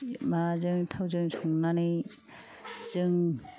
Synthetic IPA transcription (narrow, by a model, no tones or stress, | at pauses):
mazɯŋtʰawzɯŋsʰɔŋnanɯ | z̥ɯŋ